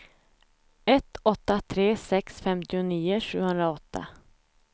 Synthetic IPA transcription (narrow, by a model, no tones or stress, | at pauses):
ɛt̪ɔt̪ːat̪ʰɾeːsɛksfɛmt̪ɪʊniːʊʂʉ̟ːɡhɵnd̪ɾaɔt̪ːa̰